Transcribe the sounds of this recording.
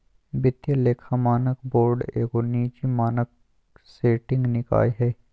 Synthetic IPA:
bɪt̪jaleːkʰamaːnəkboːɾɖeːkoniːt͡ʃimaːnək̚ | seːʈɪ̃ŋɡnɪka̰ːiɦɛː

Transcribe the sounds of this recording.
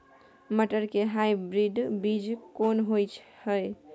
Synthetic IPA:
məʈəɾkeɦajbɾiɖbid͡ʒkonɦojt͡ʃʰhəj

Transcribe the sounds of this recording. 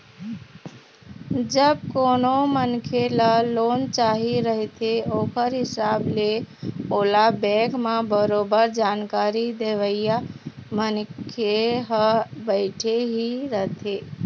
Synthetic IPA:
d͡ʒəb̚koːnomənkʰeləloːnt͡ʃaɦiɾəɦt̪ʰeoːkəɾɦɪsaːbleoːlabɛ̃ɡmãbəɾoːbəɾd͡ʒankaɾid̪eʋəɪjamənkʰeɦəbəɪʈʰeɦiɾəɦt̪ʰe

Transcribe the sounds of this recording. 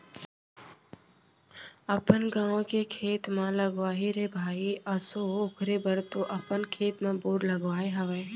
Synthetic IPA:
əpənɡãːʋõkekʰeːt̪mãləɡʋaːɦiɾebʱaːiəsoʊkʰɾeːbəɾt̪oːʔəpənkʰeːt̪mãːbʊːɾləɡʋaːeɦəʋẽː

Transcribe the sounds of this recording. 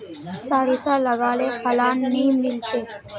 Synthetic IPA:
saːɾisaləɡaːlefəlaːnːiːmilt͡ʃe

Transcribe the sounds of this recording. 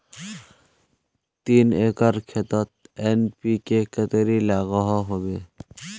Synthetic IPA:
t̪iːneːkəɾkʰet̪ət̪̚eːnpikekət̪ɾilaːɣəɦɔɦobeː

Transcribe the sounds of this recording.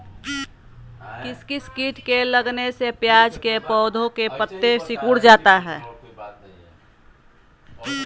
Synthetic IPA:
kɪskiskiːʈkeləɡnesepjaːd͡ʒkepɔːd̪ʱõkepət̪ːesɪkuɽd͡ʒaːt̪aɦɛː

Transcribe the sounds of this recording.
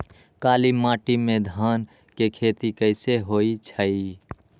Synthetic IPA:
kaːlimãːʈimẽd̪ʱaːn | kekʰeːt̪ikəɪseɦoːit͡ʃʰəi

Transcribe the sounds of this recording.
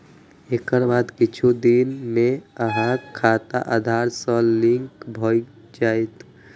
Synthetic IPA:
ekəɾbad̪kit͡ʃʰud̪inmeəɦãkʰat̪a̰ʔad̪ʱaɾsə̃liŋkbʱɔj | d͡ʒajt̪

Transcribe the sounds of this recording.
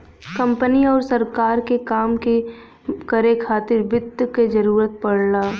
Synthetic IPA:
kɐ̃mpəniɔːɾsɐɾkaːɾkekaːmke | kəɾekʰaːt̪ɪɾbɪd̪ked͡ʒɐɾuːɾət̪̚pɐɽlaː

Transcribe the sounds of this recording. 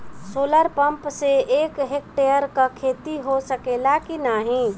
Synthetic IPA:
soːləɾpəmpseeːkɦek̚ʈejəɾkakʰet̪iɦosəkelakinaɦĩ

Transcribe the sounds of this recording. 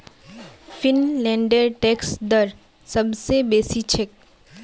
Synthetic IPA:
fɪnlɛ̃ːɳɖəɾʈɛːksd̪ɐɾ | sɐbsebeːsit͡ʃʰek̚

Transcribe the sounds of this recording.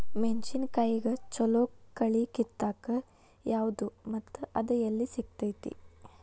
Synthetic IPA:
ment͡ʃinkɐjiɡɐt͡ʃɔloːkːɐɭikit̪ːaːkɐ | jaːʋud̪umɐt̪ːuʔɐd̪ɐjɐlːisiɡ̚t̪ɐjt̪ḭ

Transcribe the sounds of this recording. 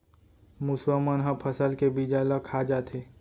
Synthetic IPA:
muswamənɦãpʰəsəlkebiːd͡ʒalakʰad͡ʒaːt̪ʰeː

